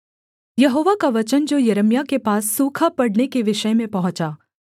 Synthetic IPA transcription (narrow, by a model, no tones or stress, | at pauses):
jɐɦoːʋakaʋɐt͡ʃənd͡ʒojɐɾəmjakepaːsːuːkʰapɐɽnekeʋɪʃəjmẽpɐɦʊ̃t͡ʃaː